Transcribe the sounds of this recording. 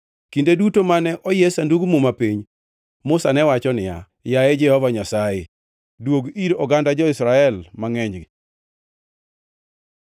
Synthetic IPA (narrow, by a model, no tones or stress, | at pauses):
kindedutomanɛʔɔjɛsanduɡmumapiɲ | mʊsanɛwat͡ʃɔnɪja̰ | jajɛd͡ʒɛhɔvaɲasajɛ | dwoɡiɾɔɡandad͡ʒɔɪsɾaɛlmaŋɛɲd͡ʒɡɪ